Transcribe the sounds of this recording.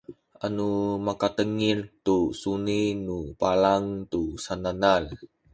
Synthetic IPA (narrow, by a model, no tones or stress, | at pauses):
ʔanumakat̪əŋirt̪usuninupalaŋt̪usananal